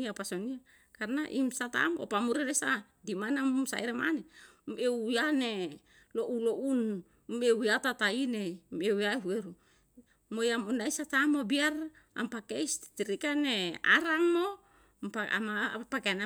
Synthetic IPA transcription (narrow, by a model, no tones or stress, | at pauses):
iapasonia | karnaʔimsat̪a̰mo̰pamuɾeɾesa | dimanamsa̰iɾema̰ne | meujane | loʔuloʔun | mewjat̪at̪ainemewaeɦueɾu | mojamunaisat̪amobiar | a̰mpakeist̪t̪iɾikanea̰ɾaŋmo | paa̰mapakeana